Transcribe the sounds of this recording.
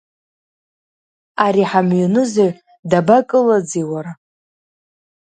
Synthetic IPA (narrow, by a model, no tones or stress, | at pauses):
aɾiħamɥunɨzaɥ | dabakʼɨlad͡ziwaɾa